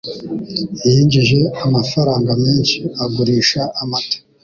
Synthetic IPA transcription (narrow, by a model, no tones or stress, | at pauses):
jiːɲɟiʒe̞amafaɾaːŋɡamiːnʃiaɡuɾiːʃaʔamato̥